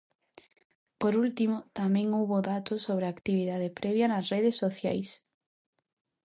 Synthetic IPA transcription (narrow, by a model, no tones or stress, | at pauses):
poɾult̪imot̪amẽŋowβoðat̪osːoβɾeakt̪iβiðað̞epɾʔeβjanasreðesːoθja̰js